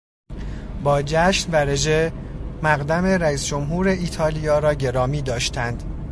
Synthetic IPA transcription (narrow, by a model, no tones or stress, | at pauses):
bɒːd͡ʒæʃnvæɾe̞d͡ʒe | mæɣd̪æme̞ɾæiːsd͡ʒo̞mɦuːɾe̞ʔiːt̪ʰɒːlijɒːɾɒːɟe̞ɾɒːmiːd̪ɒːʃt̪ʰænd̪̥